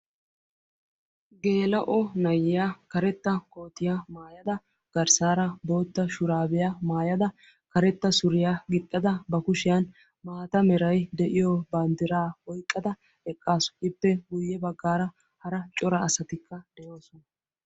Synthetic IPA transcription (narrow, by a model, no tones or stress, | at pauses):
ɡe̞ːlɐʔɔnɐjːɪjakɐɾɛt̪ːɐko̞ːt̪ɪjamaːjɐd̪ɐ | ɡ̥ɐɾsaːɾɐbo̞ːt̪ːɐʃʊɾaːbɪjamaːjɐd̪ɐ | kɐɾɛt̪ːɐsʊɾɪjaːɡɪt̪ʼːɐd̪ɐbɐkʊʃɪjan | maːt̪ɐmɛɾɐjd̪ɛʔɪjɔbaːnd̪ɪɾaːwɔjt̪ʼːɐd̪ɐ | ɛkʼːaːsʊ̥ɪpːɛɡʊjːɛbɐɡːaːɾɐ | hɐɾɐt͡ʃʼɔɾɐːsɐt̪ɪkʰːɐd̪̥ɛjo̞ːsɔnɐ